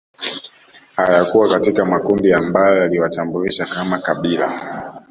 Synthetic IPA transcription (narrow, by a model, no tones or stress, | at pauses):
hajakuwakatikamakundiambajɔjaliwatambuliʃakamakaɓila̰